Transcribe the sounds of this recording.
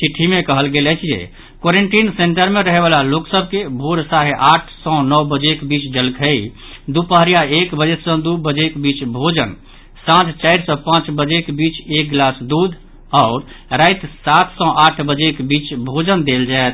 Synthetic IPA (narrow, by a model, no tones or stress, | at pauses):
siʈʰːimekəɦəlɡelɛt͡ʃʰijḛ | koɾeɳʈinseɳʈəɾmeɾəɦeβalaloksəb̚ʱkebʱoɾsaɾeʔaʈʰsɔ̃nɔwbəd͡ʒekbit͡ʃd͡ʒəlkʰəi | d̪upəɦɾijaekbəd͡ʒet̪sɔ̃d̪ubəd͡ʒekbit͡ʃbʱod͡ʒən | sãt͡ʃt͡ʃaiɾsɔ̃pãt͡ʃbəd͡ʒekebit͡ʃek̚ɡlasd̪ud̪ʱ | ɔʊɾ | ɾajt̪sat̪ʰsɔ̃ʔaʈʰbəd͡ʒekbit͡ʃbʱod͡ʒənd̪eld͡ʒaet̪ʰ